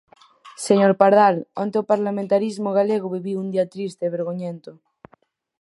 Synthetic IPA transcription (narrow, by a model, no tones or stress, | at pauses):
seɲoɾpaɾðala̰nt̪eopaɾlamẽnt̪aɾizmoɣaleɣ̞oβiβiund̪iat̪ɾist̪eːβeɾɣoɲẽnt̪o